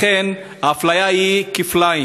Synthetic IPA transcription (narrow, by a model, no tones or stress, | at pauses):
ɛn | aflajaikiflai